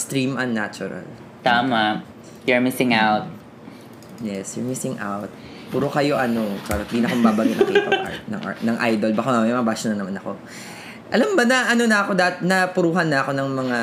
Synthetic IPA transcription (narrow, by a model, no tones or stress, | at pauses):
st̪ɾimɐnːat͡ʃʊɾɐ̰l | t̪aːma | jʊɹmɪsɪŋawt̪̚ | jɛsjʊɹmɪsɪŋʔa̰wt̪̚ | puːɾokɐjo̞ʔɐno̞paɾɐɪ̃d̪inɐkomɐbaːbɐŋɡɪt̪kːp̪oa̰nɐ̰ŋʔnɐŋʔajd̪o̞lbɐkamɛmɐbaʃʊnɐnɐmanɐko̞ | ʔɐlɐmbɐnɐʔɐno̞nɐɐko̞d̪aːt̪nɐpʊɾuːɦɐnːɐɐko̞nɐŋmɐŋa